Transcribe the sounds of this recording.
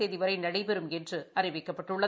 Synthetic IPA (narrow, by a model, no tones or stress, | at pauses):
eːðiʋɐɾɐɪnɐɽɐɪpɛɾɯmɛndrɯɐɾɪʋɪkːɐpːɐʈːɯɭːɐ